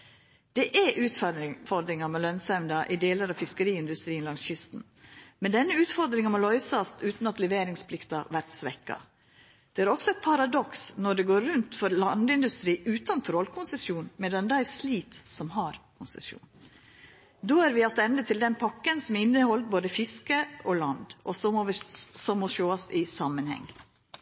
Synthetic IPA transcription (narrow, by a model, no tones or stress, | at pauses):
d̪̥ɛʔɛʔʉːt̪fɔɾd̪ɾɪŋɑmɛlœnsɛmd̪ɑʔɪd̪eːləɾɑʋfɪskəɾiːɪnd̪ʉst̪ɾiːnlɑŋsçʏst̪n̩ | mɛnd̪ɛnːəʉːt̪fɔɾd̪ɾɪŋɑmɔlɔʏsɑst̪ʉːt̪n̩ɑt̪lɛʋeːɾɪŋspʰlɪkt̪ɑʋæɾt̪sʋɛkːɑ̰ | d̪̥ɛæɾɔksɔɛt̪̚pʰɑɾɑd̪ɔksnɔɖɛɡoːɾɾʉnt̪fɔɾlɑnd̪ɪnd̪ʉst̪ɾiːʔʉːt̪ɑnt̪ʰɾɔlkʰʊnsəsjuːnmɛd̪ɛnd̪æɪsliːt̪sɔmɦɑɾkʰʊnsɛ̰sjṵːn | d̪oːæɾʋɪɑt̪ɛnd̪ət̪ʰɪld̪ɛnpʰɑkːənsɔmɪnːəhɔlt̪̚boːd̪əfɪskəɔlɑnd̪ʔɔsɔʋsɔmːɔʃoːɑst̪ɪsɑmːənhɛ̰ŋː